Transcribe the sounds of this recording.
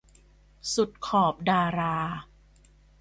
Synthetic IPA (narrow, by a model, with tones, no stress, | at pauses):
su˨˩t̪̚kʰɔː˨˩p̚daː˧ɾaː˧